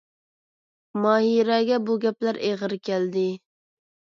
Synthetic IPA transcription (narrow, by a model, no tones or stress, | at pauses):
mɑːɦiɾɛɡʲɛbuɡʲɛplæɾʔeʁəɾkʲʰɛld̪ɪ